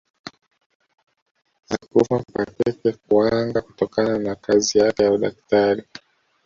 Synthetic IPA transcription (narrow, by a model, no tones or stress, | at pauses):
akufapatɛkɛk̚uaŋɡaku̥tɔkananakazijakɛjauɗaktaɾi